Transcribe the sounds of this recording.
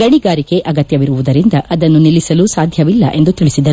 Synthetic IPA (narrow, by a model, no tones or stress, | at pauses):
ɡɐɳiɡaːɾike̞ʔɐɡɐt̪jɐʋiɾuʋud̪ɐɾind̪ɐʔɐd̪ɐnːunilisɐlusaːd̪ʱjɐʋilːɐʔe̞nd̪ut̪iɭisid̪ɐɾu